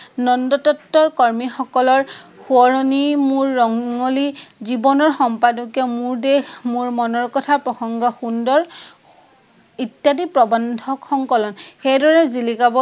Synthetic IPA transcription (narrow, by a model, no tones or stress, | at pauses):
nɔndɔtɔtːɔɹkɔɹmixɔkɔlɔɹxuɔɹɔnimʊɹːɔŋɔlizibɔnɔɹxɔmpadɔkɛmuɹdexmʊɹmɔnɔɹkɔtʰapɹɔxɔŋɡɔxundɔɹ | itjadipɹɔbɔndʱɔkxɔŋkɔlɔnxejdɔɹɛzilikabɔ